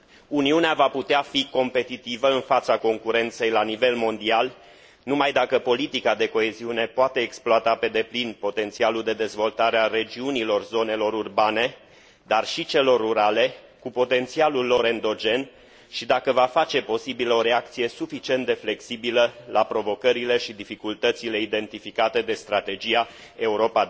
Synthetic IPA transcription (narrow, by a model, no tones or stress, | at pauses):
uniuneavaput̪eafiko̞mpe̞t̪it̪ivəɨnfat̪sako̞ŋkuɾe̞nt̪se̞jlanive̞lmo̞nd̪ial | numajd̪akəpo̞lit̪ikad̪e̞ko̞e̞ziune̞poat̪e̞ːksploat̪ape̞d̪e̞plinpo̞t̪e̞nt̪sialuld̪e̞d̪e̞zvo̞lt̪aɾeare̞d͡ʒiunilo̞rzo̞ne̞lo̞ɾurbane̞ | d̪arʃit͡ʃe̞lo̞rːuɾale̞ | kupo̞t̪e̞nt̪sialulːo̞ɾe̞nd̪o̞d͡ʒe̞n | ʃid̪akəvafat͡ʃe̞po̞sibiləo̞ɾe̞ak̚t̪sije̞sufit͡ʃient̪d̪e̞fle̞ksibiləlapɾo̞vo̞kəɾile̞ʃid̪ifikult̪ət̪sile̞id̪e̞nt̪ifikat̪e̞d̪e̞st̪ɾat̪e̞d͡ʒija | e̞uɾo̞pa